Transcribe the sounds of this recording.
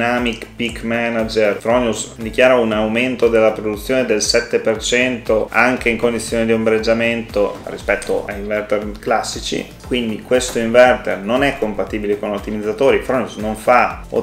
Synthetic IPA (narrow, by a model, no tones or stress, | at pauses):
namikpikːmanad͡ʒerfɾɔnusd̪ikjaːɾaunawment̪od̪elːapɾod̪ut̪sːjoːned̪elsɛt̪ːepert͡ʃɛnt̪oaŋk̟eiŋkond̪it̪sːjoːnid̪iombɾed͡ʒːament̪orḭspɛt̪ːo̰ʔa̰iɱvɛrt̪erklasːit͡ʃḭ | kwind̪ikwest̪oiɱvɛrt̪ernonɛkːompat̪iːbilekonot̪ːimid̪zːat̪oːɾifɾɔnusnoɱfao̰